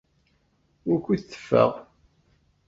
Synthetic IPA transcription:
ʊɾkʷːiθθːə̥fːə̰ʁ

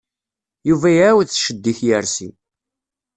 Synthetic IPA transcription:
juvæjwðθʃəd̪ːiθjəɾsḭ

